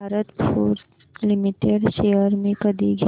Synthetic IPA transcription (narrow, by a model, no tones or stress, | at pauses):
aɾət̪pʰoːɾs | limiʈeɖʃejəɾmẽkəd̪iɡʱ